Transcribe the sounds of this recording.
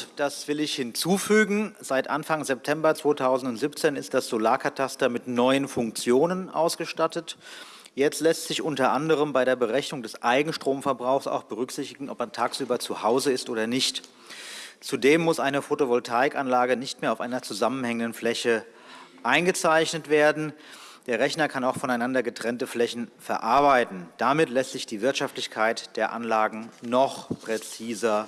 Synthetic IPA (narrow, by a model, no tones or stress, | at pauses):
d̥asv̥ɪlɪçhɪnt͡suːfyːɡŋ̩zaɪtʔa̰nfaŋzɛp̚tʰɛmbɐt͡sv̥oːtʰaʊzn̩tʊntz̥ip̚t͡seːnɪst̚d̥asz̥olaːɐkʰatʰastɐmɪtnɔʏənfʊŋkt͡sjoːnənʔa̰ʊsɡ̥əʃtatət | jɛt͡stlɛstz̥ɪçʔʊntɐʔandəʁ̞əmbaɪɾeːɐbəʁɛçnʊŋdɛsʔaɪɡŋ̩ʃtʁ̥oːmfɛɐbʁaʊxsa̰ʊxb̥əʁ̞ʏkz̥ɪçtɪɡŋ̩ʔɔpmantʰaːksʔyːbɐt͡suhaʊzəɪstʔoːdɐnɪçt | t͡sudeːmːʊsʔaɪnəfotovɔltʰaːɪkʔanlaːɡənɪçt̚meːɐaʊfʔaɪnɐt͡suzamənhɛŋəndənflɛçə | ʔaɪnɡət͡saɪçnətv̥eːɐdn̩ | d̥eːɐʁɛçnɐkʰanaʊxfɔnaɪnandɐɡətʁ̥ɛntəflɛçn̩fɛɐʔaɐbaɪtn̩d̥amɪtlɛstz̥ɪçd̥iːvɪɐtʃaftlɪçkʰaɪtd̥eːɐʔa̰nlaːɡŋ̩nɔχpʁ̥ɛt͡siːzɐ